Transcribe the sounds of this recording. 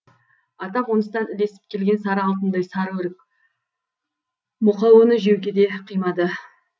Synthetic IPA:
ɑt̪ɑonəst̪ɑnɪle̞sɪ̥p̚kʲʰe̞lɡʲe̞nsɑɾəɑlˠt̪ənd̪ɑjsɑɾweɾk | mʊqɑwənəʒewɡʲe̞d̪e̞qʰijmɑd̪ə

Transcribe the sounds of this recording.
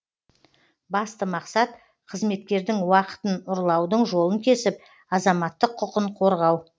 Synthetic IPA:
bɑst̪əmɑqsɑt̪ | qʰəzme̞t̪̚kʲe̞ɾd̪ɪŋwɑqə̥t̪ənʊɾlˠɑwd̪əɴʒo̞lˠəŋkʲʰe̞sɪp̚ | ɑzɑmɑt̪ːəqʰːʊqəɴqʰo̞ɾʁɑw

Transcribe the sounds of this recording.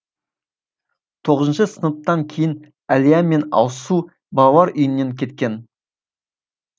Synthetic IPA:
t̪ʰo̞ʁəzənʃəsənəp̚t̪ɑŋkʲʰejɪn | ælijæme̞nɑ̰wsu | bɑlˠɑlˠɑɾʔʏjənːe̞ŋkʲʰe̞t̪kʲe̞n

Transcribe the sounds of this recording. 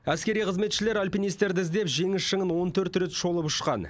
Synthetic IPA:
æskʲe̞ɾijqʰəzme̞t̪ʃɪle̞ɾalʲpʲinijst̪eɾd̪ɪzd̪e̞pʒe̞ŋɪsʃəŋənwo̞nt̪ʰɵɾt̪ɾet̪ʃo̞lˠəpʊʃqɑ̰n

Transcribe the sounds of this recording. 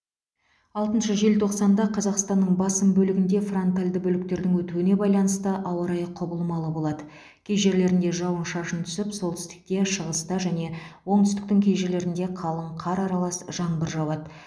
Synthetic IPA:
ɑlˠt̪ənʃəʒe̞lt̪ʰo̞qsɑnd̪ɑqʰɑzɑqst̪ɑnːəɴbɑsəmbɵlɪɡʲɪnd̪e̞front̪alʲd̪əbɵlɪk̚t̪e̞ɾd̪ɪŋwɵt̪uwɪne̞bɑjlˠɑnəst̪əʔɑwɑɾɑjqʰobəlˠmɑlˠəbo̞lˠɑd̪ə | kʲʰejʒe̞ɾle̞ɾɪnd̪e̞ʒɑwənʃɑʃənt̪ʰʏ̥sɪpso̞lˠt̪ʰʏ̥st̪ɪ̥k̚t̪e̞ʃəʁəst̪əʒæne̞wo̞ɴt̪ʰʏst̪ɪ̥k̚t̪ɪŋkʲʰejʒele̞ɾɪnd̪e̞qʰɑlˠəɴqʰɑɾɑɾɑlˠɑsʒɑɴbəɾʒɑwɑd̪ə

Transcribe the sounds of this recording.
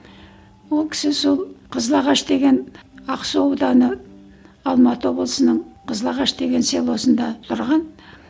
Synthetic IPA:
wo̞lˠkʲʰɪ̥sɪso̞lˠqʰəzəlˠɑʁɑʃd̪e̞ɡʲe̞nɑqsowd̪ɑnə | ɑlˠmɑt̪əwo̞blˠəsənəɴqʰəzəlˠɑʁɑʃd̪e̞ɡʲe̞nse̞lˠo̞sənd̪ɑt̪ʰʊɾʁɑn

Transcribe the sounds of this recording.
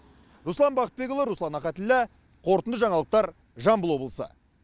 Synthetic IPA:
ɾuslˠɑnbɑqət̪be̞k̬ʲolˠəɾuslˠɑnɑqɑt̪ɪlːæ | qʰo̞ɾt̪ənd̪əʒɑɴɑlˠəq̚t̪ɑɾ | ʒɑmbəlˠwo̞blˠəsə̰

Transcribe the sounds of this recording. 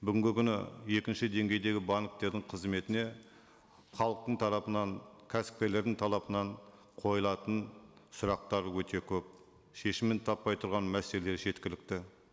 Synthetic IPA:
bʏɡʲɪŋɡʲɪkʲʰʏnɪ̰je̞kʲɪnʃɪd̪e̞ŋɡʲe̞jd̪e̞ɡʲɪbɑnk̚t̪e̞ɾd̪ɪŋqʰəzme̞t̪ɪne̞ | χɑlˠəq̚t̪əɴt̪ʰɑɾɑpənɑɴkʲʰæsɪ̥p̚kʲele̞ɾd̪ɪŋt̪ʰɑlˠɑpənɑɴ | qʰo̞jəlˠɑt̪ənsʊɾɑq̚t̪ɑɾwɵt̪e̞kʲʰɵp̚ | ʃe̞ʃɪmːent̪ʰɑpːɑjt̪ʰʊɾʁɑnmæseleleʒe̞t̪kʲɪlɪk̚t̪ɪ

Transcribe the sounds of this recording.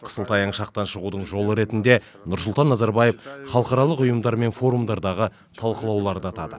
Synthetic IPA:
qʰə̥səlˠt̪ɑjɑɴʃɑq̚t̪ɑnʃəʁud̪əɴʒo̞lˠəɾe̞t̪ɪnd̪e̞ | nʊɾsʊlˠt̪ɑnːɑzɑɾbɑjefχɑlˠəqɑɾɑlˠəqʊjəmd̪ɑɾme̞nfo̞ɾumd̪ɑɾd̪ɑʁə | t̪ʰɑlˠqəlˠɑwlˠɑɾd̪əɑt̪ɑd̪ə̰

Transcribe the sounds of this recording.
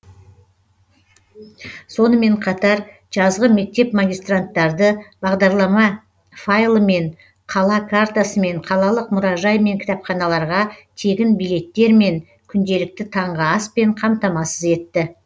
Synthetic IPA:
so̞nəme̞ɴqʰɑt̪ɑɾ | ʒ̥ɑzʁəme̞k̚t̪e̞pmaɡʲijst̪rant̪ːɑɾd̪əb̥ɑʁd̪ɑɾlˠɑmɑ | fajlˠəme̞ɴ | qʰɑlˠɑkʰart̪asəme̞ɴqʰɑlˠɑlˠəqmʊɾɑʒɑjme̞ŋkʲʰɪ̥t̪ɑpχɑnɑlˠɑɾʁɑt̪ʰe̞ɡʲɪnbijle̞t̪ːe̞ɾme̞ŋ | kʲʰʏnd̪e̞lɪk̚t̪ɪt̪ʰɑɴʁəɑspe̞ɴqʰɑmt̪ɑmɑsəze̞t̪ːɪ

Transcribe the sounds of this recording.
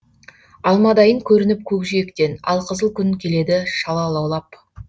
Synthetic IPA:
ɑlˠmɑd̪ɑjəŋkʲʰɵɾɪnɪp̚kʲʰɵkʒijekt̪e̞nɑ̰lˠqʰəzəlˠkʲʰʏnkʲʰe̞le̞d̪ɪʃɑlˠɑlˠɑwlˠɑp

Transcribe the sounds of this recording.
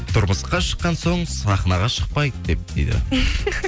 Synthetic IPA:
t̪ʰʊɾməsqɑʃə̥qːɑnso̞ɴsɑχnɑʁɑʃəq̚pɑjd̪d̪e̞p̚d̪̥ḛjd̪ɪ̰

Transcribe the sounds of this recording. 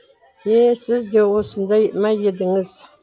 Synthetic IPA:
jesɨzdewʊsɨndajiʔmajɪdɨŋəz

